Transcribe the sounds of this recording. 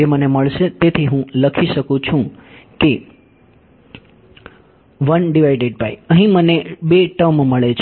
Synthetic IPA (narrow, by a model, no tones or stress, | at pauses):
eməneməɭʃet̪et̪ʰiɦũləkʰiʃəkũt͡ʃʰũke | ʋənɖiʋajɖeɖ̚paiəɦĩmənebeʈəmməɭet͡ʃʰ